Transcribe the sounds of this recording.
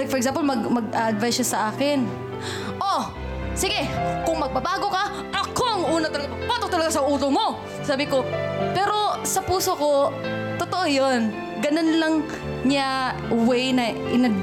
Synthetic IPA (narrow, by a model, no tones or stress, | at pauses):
fɔɾɛk̚samp̬olmɐɡmɐɡaʔɐd̪vajsʃasɐʔaːkɪn | ʔo | sɪɡɛkʊŋmɐɡ̚bɐbaːɡokɐ | ʔɐkoɐŋʔuːnɐt̪ɐlɐɡapɐɐpat̪ok̚t̪ɐlɐɡasɐʔuːt̪omo | saːbɪko̞pɛːɾo̞sɐpuːsoko̞t̪ot̪oʔojon | ɡɐnonlɐŋ | ɲaʊwɛjnɐʔɪnɐd̪̚